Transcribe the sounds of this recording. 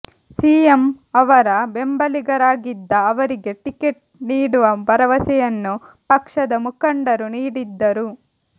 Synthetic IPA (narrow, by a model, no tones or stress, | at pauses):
siːemɐʋɐɾɐbe̞mbɐliɡɐɾaːɡid̪ːɐːʋɐɾiɡe̞ʈikeʈ̚ | niːɽuʋɐbɐɾɐʋɐsɛjɐnːupɐkʂɐd̪ɐmukɐɳɖɐɾuniːɽid̪ːɐɾu